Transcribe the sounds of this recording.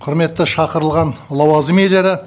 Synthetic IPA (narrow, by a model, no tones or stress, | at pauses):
qʰʊɾme̞t̪ːɪʃɑqəɾəlˠʁɑnlˠɑwɑzəmele̞ɾɪ